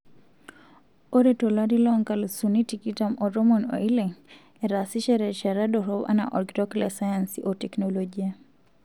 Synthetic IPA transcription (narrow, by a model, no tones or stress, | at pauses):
ɔɾɛtɔlaɾilɔŋkalusunitikitamɔɾɔmɔnɔ̰ilɛŋ | ɛɾasiʃɛɾɛʃaɾaɗɔɾɔba̰na̰ʔɔ̰ɾɡitɔklɛsajansiʔɔtɛknɔlɔd͡ʒia